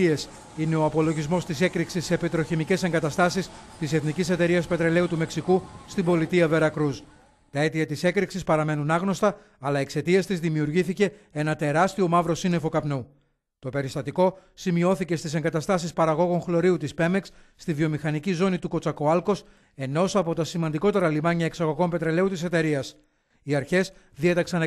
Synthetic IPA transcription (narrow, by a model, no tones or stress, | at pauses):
es | ine̞o̞ɐpo̞lo̞ʝizmo̞st̪ise̞kɾiksisːepit̪ɾo̞çimice̞se̞ŋɡɐt̪ɐst̪ɐsist̪ise̞θnicise̞t̪e̞ɾiɐspe̞t̪ɾe̞le̞ut̪ume̞ksikust̪ibo̞lit̪iɐve̞ɾɐkɾus | t̪ɐe̞t̪iɐt̪ise̞kɾiksispɐɾɐme̞nunɐɣno̞st̪ɐ | ɐlɐiekse̞t̪ie̞st̪izðimiuɾʝiθice̞e̞nɐt̪e̞ɾɐst̪io̞mɐvɾo̞sine̞fo̞kɐpnu | t̪o̞pe̞ɾist̪ɐt̪iko̞simio̞θice̞st̪ise̞ŋɡɐt̪ɐst̪ɐsispɐɾɐɣo̞ɣo̞ŋxlo̞ɾiut̪ispe̞me̞ks | st̪ivio̞mixɐnicizo̞nit̪uko̞t͡sɐko̞ɐlko̞s | eno̞sɐpo̞t̪ɐsimɐnd̪iko̞t̪e̞ɾɐlimɐɲɐeksɐɣo̞ɣo̞mpe̞t̪ɾe̞le̞ut̪ise̞t̪e̞ɾiɐs | iɐɾçe̞s | ðie̞t̪ɐksɐn